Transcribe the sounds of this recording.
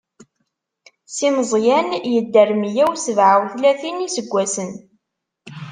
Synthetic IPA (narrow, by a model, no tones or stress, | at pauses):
sinzˤjænjəd̪ːərmjæwsəvʕawθlæθinisəɡʷːæsən